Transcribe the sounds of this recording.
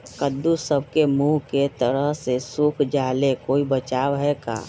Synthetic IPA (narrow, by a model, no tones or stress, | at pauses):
kəd̪ːusəb̚kemuɦket̪əɾəɦsesukʰd͡ʒaːlekoːibət͡ʃaːwɦɛka̰ː